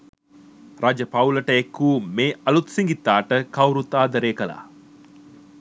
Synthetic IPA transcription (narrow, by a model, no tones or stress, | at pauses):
rad͡ʒəpɐwlɐʈəekːuːmeːɐlut̪siŋɡit̪ːaːʈəkɐwɾut̪aːd̪ɐɾeːkɐla̰ː